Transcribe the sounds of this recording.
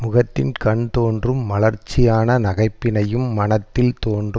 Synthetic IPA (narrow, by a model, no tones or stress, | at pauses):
mʊɣɐt̪ːɪnkɐɳt̪oːndrɯmʋɐlɐɾt͡ʃːɪjaːnɐnɐɣɐɪpːɪnɐjɯmːɐnɐt̪ːɪlt̪oːndrɯ